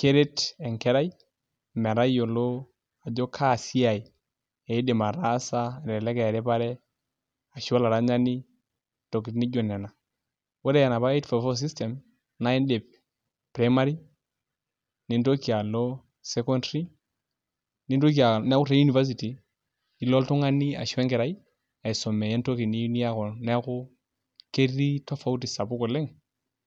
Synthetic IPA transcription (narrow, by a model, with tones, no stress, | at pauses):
ke˦ɾe˦tɛ˨ŋkɛ˦ɾa˦j | mɛ˨ɾa˦jo˨lo˦ | a˨d͡ʒo˦kʰa˦˨si˦a˨i˨ | e˨i˦de˨ma˨ɾa˦sa˦˨ɾɛ˨lɛ˦kɛ˨ɾe˦pa˦ɾɛ˦ | a˨ʃa˦la˨ɾa˦ɲa˦ni˦ | to˨ki˨tni˦d͡ʒo˨na˨na˨ | wo˦ɾe˦ja˨na˨pa˦e˦tfa˨fɔ˦s̬i˦stɛ˨m | na˦i˦nde˨p̚ | pɾa˨˦ma˦ɾi˦ | ni˨nto˦ki˨a˨lo˦ | se˦kɔ˦ndɾi˦ | ni˦nto˦ki˨a˨n˦a˦ku˦ɾa˦ju˦ni˨va˦s̬i˨ti˨ | i˨lɔ˦ltu˦ŋa˦ni˦a̰˨ʃɛ˦ŋke˨ɾa˨˦i˦ | a˨i˨so˨me˨je˦nto˦ki˨ni˦ni˦a˦kɔ˨nɛ˦a˦ku˦ | ke˦ri˦to˦fa˦u˦t̬i˨sa˨bu˦kɔ˨lɛ˦ŋ